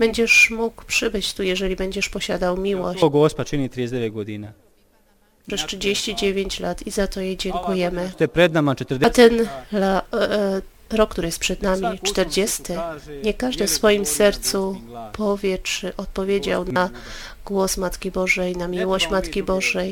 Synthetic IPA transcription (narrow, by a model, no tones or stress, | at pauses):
b̥ɛɲd͡ʑɛʂmukpʂɘbɘt͡ɕt̪ujɛʐɛlʲibɛɲd͡ʑɛʂpɔɕad̪awmʲiwɔɡɔspat͡ʃinit̪ɾijesd̪ɛʋet̪̚ɡod̪ina | pʂɛstʂɘd͡ʑeɕt͡ɕid͡ʑevʲjeɲt͡ɕlat̪izat̪ɔjejd͡ʑɛŋkujɛmɘt̪pɾɛd̪namat͡ʃɛt̪ɾd̪ɛt̪ɛnla | ɾɔkːt̪uɾɘɪjɛs̚pʂɛd̪namʲit͡ʂt̪ɛɾd͡ʑɛst̪ɘɲɛkaʐd̪ɨfsfɔjimsɛɾt̪supʰɔvʲjɛt͡ʂɘʔɔt̪̚pɔvʲjed͡ʑawna | ɡwɔsmat̪kʲibɔʐɛjnamʲiwɔɕt͡ɕmat̪kʲibɔʐɛj